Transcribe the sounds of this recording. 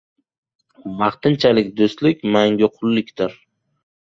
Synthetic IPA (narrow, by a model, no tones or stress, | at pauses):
mɑχt̪ɪnt͡ʃʰalɪk̚ʲd̪ʊst̪lɪkʲmaŋɡʲʊqʰʊlːɪkʲd̪ɪɾ